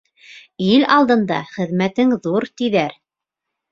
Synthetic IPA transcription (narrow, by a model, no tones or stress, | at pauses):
ilɑlˠd̪ɤ̆nd̪ɑ̰χɘ̆ðmæt̪ɘŋðuɾt̪iðæɾ